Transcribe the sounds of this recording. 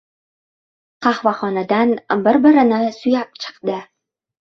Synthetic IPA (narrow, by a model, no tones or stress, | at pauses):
qʰɑhvaχɒnad̪anbɪɾbɪɾɪnɪsʊjap̚t͡ʃʰɨ̥qd̪ɪ